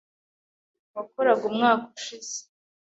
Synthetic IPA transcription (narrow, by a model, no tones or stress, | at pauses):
βakoɾaɡumŋaːkuʃiz̥e̥